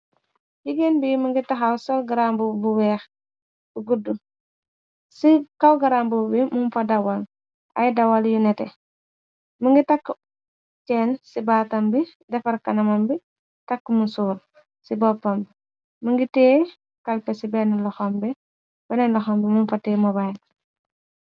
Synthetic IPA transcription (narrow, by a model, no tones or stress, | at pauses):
jiɡenbijməŋɡitɐxawsɔlɡaɾambubuwɛːx | buɡudu | sikɐwɡɐɾambubimumfɐdɐwɐl | ʔɐ̰jdɐwaljunɛtɛ | məŋɡitakː | t͡ʃɛːnsibaːtɐmbi | dɛfɐɾkɐnɐmɐmbi | tɐkːmunsuːɾ | sibɔpːɐmbi | muŋɡitɛː | kɐlpɛsibɛnlɔxɔmbi | bɛnɛnlɔxɔmbimunfɐtɛːmɔbajl